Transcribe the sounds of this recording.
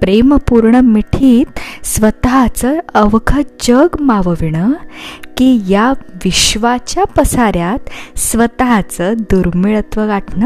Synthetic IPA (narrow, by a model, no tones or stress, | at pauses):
pɾeməpuɾɳəmiʈʰiːt̪sʋət̪ɦat͡səəʋkʰəd͡ʑəɡmaʋəʋiɳəkijaʋiɕʋat͡ɕjapəsaɾjat̪sʋət̪ɦat͡səd̪uɾmiɭət̪ʋəɡaʈɳə